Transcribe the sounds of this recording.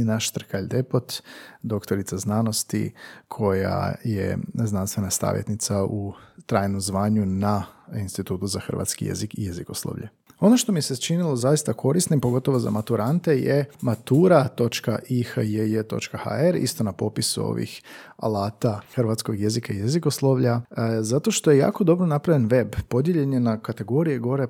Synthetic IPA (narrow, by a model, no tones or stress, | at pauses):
naʃt̪r̩kaʎd̪epot̪d̪o̞kt̪oɾit̪saznano̞st̪ḭkʰo̞ja̰jḛznanst̪ʋe̞nasa̰ːʋjet̪nit̪saut̪ɾajnomzʋaːɲunainst̪it̪uːt̪uzaxr̩ʋa̰t̪skijḛzikije̞zikoslˠo̰ʋʎḛ | o̞noʃt̪o̞miset͡ʃinilo̞zajist̪akʰo̞ɾisnimpo̞ɡo̞t̪o̞ʋo̞za̰mat̪uɾant̪e̞jemat̪uːɾat̪o̞t͡ʃkaʔixəjejet̪o̞̰t͡ʃkaha̰eɾḭst̪o̞napo̞pisuo̞̰ʋḭxa̰lˠaːt̪axrʋat̪sko̞ɡje̞zikaijeziko̞slˠoʋʎazat̪o̞ʃt̪o̞je̞ja̰ːko̞d̪o̞bɾonapɾaʋjenʋe̞bpo̞d̪je̞ʎe̞ɲe̞nakat̪e̞ɡo̞ɾijeɡo̞ɾe̞